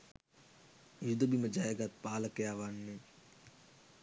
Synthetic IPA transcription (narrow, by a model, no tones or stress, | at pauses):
jid̪obiməd͡ʒaːeːɡaːt̪paːləkejaːʋanːe